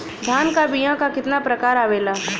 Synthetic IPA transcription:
d̪ʱjaːnkabijãkakɪt̪napɾɐkaːɾaːʋeːlaː

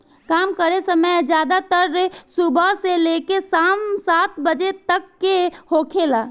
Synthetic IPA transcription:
kaːmkəɾesəməjd͡ʒjaːd̪at̪əɾːesubʱəɦselekesamsat̪̚bəd͡ʒet̪əkːehokʰelaː

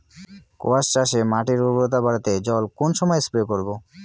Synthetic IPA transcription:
ko̰ast͡ɕaʃemaʈiɾubɾot̪̬abaɽat̪ed͡ʑɔlkonʃɔmɔjespɾokoɾbo

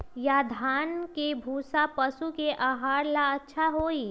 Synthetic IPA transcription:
jad̪ʱaːnkebʱuːsapɐsukeʔaːɦaːɾlaɐtːʃʰaɦoːiː

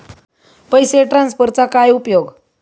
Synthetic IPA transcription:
pəjseʈɾãnspəɾt͡sakajupjoɡ

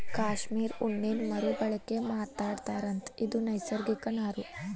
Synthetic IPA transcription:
kaːʃmiːɾuɳːeːnmɐɾubɐɭɐkːemaːt̪aːɽt̪aːɾɐnt̪id̪unɐjsɐɾɡikɐnaːɾu

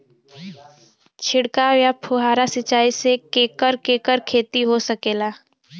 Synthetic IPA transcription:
t͡ʃʰɪɽkawjapʰʊɦaːɾasɪt͡ʃaːisekeːkəɾkeːkəɾkʰeːt̪iɦosəkeːlaː

